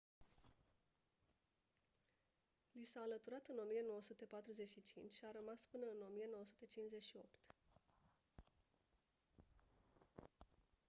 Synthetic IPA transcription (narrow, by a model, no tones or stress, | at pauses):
lisaːlət̪uɾat̪ɨno̞mijeno̞wəsut̪epat̪ɾuze̞ʃit͡ʃint͡ʃʲʃiaɾəmaspɨnəɨno̞mije̞no̞wəsu̥t̪et͡ʃinze̞ʃio̞pt̪